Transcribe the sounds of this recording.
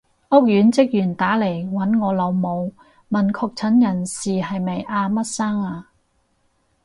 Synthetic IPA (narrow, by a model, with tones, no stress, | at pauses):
ʔʊ˥k̚jyː˨˥nt͡sɪ˥k̚jyː˨˩nt̪aː˨˥le˨˩jwɐ˨˥nŋɔː˨˧lɐ˨˧wmo˨˧w | mɐ˨˩nkʰɔː˧k̚t͡sʰɐ˨˥njɐ˨˩nsiː˨ɦɐ˨jmɐ˨˩jʔaː˧mɐ˥t̚saː˥ŋaː˧